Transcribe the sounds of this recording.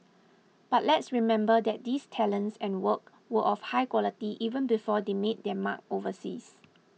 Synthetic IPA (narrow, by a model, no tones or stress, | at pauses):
b̥at̚lɛtsɹimɛ̃mbədɛt̚distʰɛlə̃nsɛ̃nwək̚ | wəʔɔfhajkwɔlitiʔivə̃nbifɔdemet̚dɛma̰k̚ovəsḭs